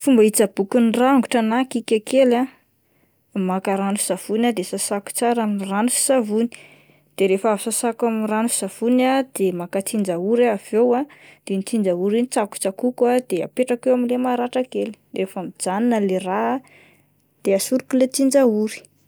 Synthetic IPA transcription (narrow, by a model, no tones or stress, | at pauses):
fumbait͡səb̥ukunraŋɡuʈ͡ʂanakikʲakʰela | makaɾanui̥z̥av̥unad̪esasaku̥t͡saɾamniranufi̥savuni̥ | d̪̥eɾefavsasakamiranufi̥z̥av̥unad̪emakat͡sind͡ʒauɾaav̥ewad̪̥enit͡sind͡ʒauɾinit͡saku̥t͡sakukad̪ea̰peʈ͡ʂakewamilemaɾaʈ͡ʂakeli̥refamid͡zaninəlera | d̪̥easuɾukulet͡sind͡ʒauɾi̥